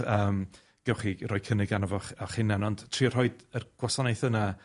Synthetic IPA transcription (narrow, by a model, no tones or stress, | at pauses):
əːm | ɡ̥ɛwχirɔjkʰənɪɡanɔvɔχɔχɪnːɛnɔnd̥tʰriːɔr̥hɔɨdərɡ̥wasɔnejθəna